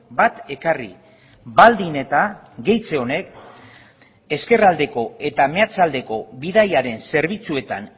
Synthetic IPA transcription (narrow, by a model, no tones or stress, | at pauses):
bat̪e̞karḭ | bald̪ine̞t̪a | ɡe̞jt͡se̞o̞ne̞k | e̞ske̞rald̪e̞ko̞e̞t̪ame̞at͡sald̪e̞ko̞βiðajaɾe̞nse̞ɾβ̞it͡sue̞t̪a̰n